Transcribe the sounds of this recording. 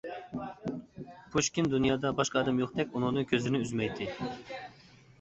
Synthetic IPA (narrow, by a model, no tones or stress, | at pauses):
pʰuʃkʲind̪unjɑːd̪ɑbɑʃqɑːd̪ɛmjoχd̪ɛk̚ʲunɨŋnɨŋkʲʰøzlɪnɪyzmɛjt̪ʰɪ